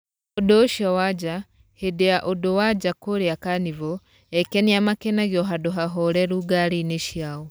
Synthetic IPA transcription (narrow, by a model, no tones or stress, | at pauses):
odoʃiawad͡ʒa | hideaʔodowad͡ʒakoɾiakanivo | ekeniamakenaɣjoɦadoɦaɦoɾeɾuɡaɾineʃiawo